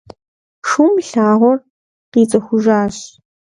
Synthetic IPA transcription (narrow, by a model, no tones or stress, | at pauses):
ʂuːmɬaːʁʷɔr | qiːt͡sʼɐxʷʊʒaːɕ